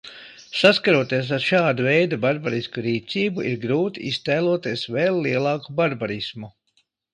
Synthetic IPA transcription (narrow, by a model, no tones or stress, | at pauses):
saskaɾuɔt̪iɛs̬aɾʃaːd̪avɛjd̪abaɾbaɾiskuɾiːt̪siːbuʔiɾɡɾuːt̪iist̪ɛːlˠuɔt̪iɛsveːlˠːiɛlˠɑːkubaɾbaɾismu